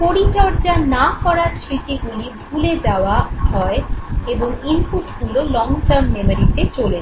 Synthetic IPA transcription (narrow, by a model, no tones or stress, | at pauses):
poɾit̪ɔɾd͡ʑanakɔɾaɾsɾit̪iɡulibʱuled͡ʑaoaɦɔeeboŋimpuʈɡulolɔŋʈaɾmːemaɾit̪et͡ɕole